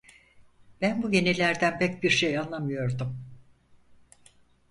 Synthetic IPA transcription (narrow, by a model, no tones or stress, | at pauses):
b̥ænbuje̞nilʲæɾd̪ænpɛc̚biɾʃejanlˠamɯjo̞ɾd̪um